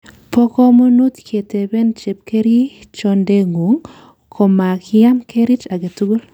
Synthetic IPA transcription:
po˦ko˦mu˦nu˦t̪kʰe˨te˨be˦nt͡ʃe˨p̚ke˦ɾi˦t͡ʃo˦nde˦ŋu˨ŋ | kʰo˨ma˨kɪja˦mke˦ɾi˦t͡ʃa˨ɡe˨tu˦ɡu˦l

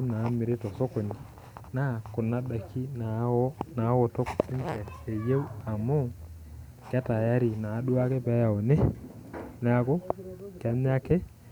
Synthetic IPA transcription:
u˦mna˨˦mi˨ɾe˦to˨so˦ko˨ni˨ | na˦˨ko˨nːa˦ɗa˨kʰːi˦na˨˦na˨˦wo˨to˦ki˦nte˨e˨je˦wa˨mo˦ | ka˦ta˨ja˦ɾi˨na˨˦ɗu˦a˦ke˦pe˦ja˨o˨ne˦ | n˦a˦ko˦ka˦m˦a˦ke˦

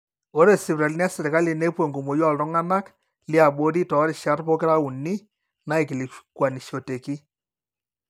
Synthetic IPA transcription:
o˦ɾe˨sɪ˨βɾa˨lnja˦sɪ˨ɾi˨ka˦li˨ne˦pwe˨ŋɡo˨mo˨jwa˦˨ltɔ˦ŋa˦na˦k | li˦a˨ɓo˦ɾi˦tɔ˨˦ɾɪ˨ʃa˨˦ɾpɔ˦kɪ˦ɾa˦u˨nːi˦ | na˦e˨ki˨li˨kwa˨ni˨ʃo˨te˨ki˦

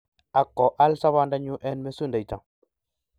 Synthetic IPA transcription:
a˨kːɔ˨ʔa˦lsa˦βa˦nda˦ɲu˦ʔɛ˦nme˦su˦nda˨ta̰˨ŋ

